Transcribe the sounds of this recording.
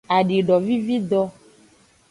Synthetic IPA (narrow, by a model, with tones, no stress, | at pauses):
a˨ɖe˨ɖɔ˨vi˦vi˦d̪ɔ˦